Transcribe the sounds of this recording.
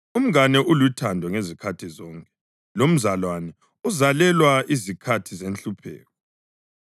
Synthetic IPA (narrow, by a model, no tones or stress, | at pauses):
um̩ɣanɛʔulutʰandʱɔŋezikʰatʰizɔŋkʼɛ̥ | lom̩zalwanɛ | uzalɛlwaizikʰatʰizent͡ɬɬupʰɛ̰ːk̚ɔ